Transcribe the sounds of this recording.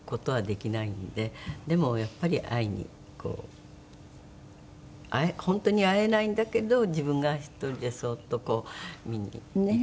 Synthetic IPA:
ko̞t̪o̞βad̪e̞kʲinaind̪e̞d̪e̞mo̞japːaɾʲiʔaiɲ̟ḭ | kʰo̞̰ː | aehõ̞nt̪o̞ɲ̟iae̞naĩnd̪ake̞d̪o̞d͡ʑibɯ̟̃ŋɡaçi̥t̪ːo̞ɾʲid̪e̞so̞ːt̪ːo̞ko̞ːmʲiɲ̟ḭ

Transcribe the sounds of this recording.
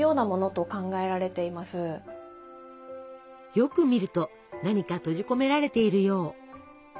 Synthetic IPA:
jo̞ːnamo̞no̞t̪o̞kãŋɡae̞ɾaɾe̞t̪e̞imasɨ | jo̞kɯ̟mʲiɾɯ̟t̪o̞ | naɲ̟ikat̪o̞ʑiko̞me̞ɾaɾe̞t̪e̞iɾɯ̟jo̞ː

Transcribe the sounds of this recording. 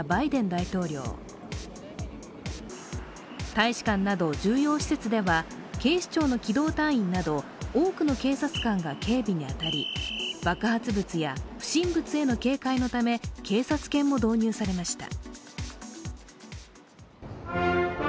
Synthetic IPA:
baid̪ẽ̞nd̪ait̪o̞ːɾʲo̞̰ː | t̪aiɕi̥kãnːad̪o̞d͡ʑɨːjo̞ːɕi̥se̞t͡sɨd̪e̞βa | ke̞ːɕi̥t͡ɕo̞ːno̞kʲid̪o̞ːt̪ãɰ̃ĩnːad̪o̞oːkɯ̟no̞ke̞ːsat͡sɨ̥kãŋɡakʰe̞ːbʲiɲ̟iat̪aɾʲib̥akɯ̟hat͡sɨbɯt͡sɨjaɸɕĩmbɯ̟t͡sɨe̞no̞ke̞ːkaino̞t̪ame̞kʰe̞ːsat͡sɨ̥kẽ̞mːo̞d̪o̞ːɲ̟ɨːsaɾe̞maɕi̥t̪a̰

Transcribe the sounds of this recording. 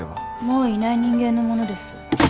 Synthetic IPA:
mo̞ːinaiɲ̟ĩŋɡẽ̞nːo̞mo̞no̞d̪e̞sɨ̥

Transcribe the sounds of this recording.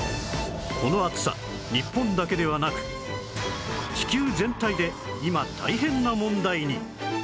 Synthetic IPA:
kʰo̞no̞at͡sɨ̥sa̰ | ɲipːõ̞nd̪ake̞d̪e̞β̞anakɯ̟̥ | t͡ɕi̥kʲɨːzẽ̞nt̪aid̪e̞ | imat̪ʰa̰iɦẽ̞nːamõ̞nd̪aiɲ̟i

